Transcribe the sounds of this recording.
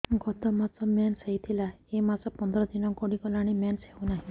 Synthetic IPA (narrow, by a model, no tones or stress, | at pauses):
ɡɔt̪ɔmasɔmjanseɦit̪ʰilaemasɔpɔnd̪ɾɔd̪inɔkɔɽikɔlaɽ̃imjanseũnaɦĩ